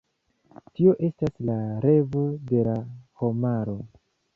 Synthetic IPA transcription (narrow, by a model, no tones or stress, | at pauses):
tio̞ʔe̞staslaɾe̞vo̞de̞laho̞maɾo̞